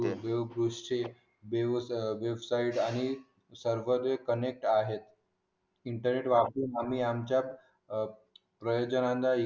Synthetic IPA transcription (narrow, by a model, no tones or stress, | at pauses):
beʋɡɾuʂt͡ɕe | beʋʋebsaiʈañi | səɾʋəd̪ekənek̚ʈaɦet̪ | iɳʈəɾneʈʋapiamiːamt͡ɕja | pɾəjod͡ʑənãnd̪a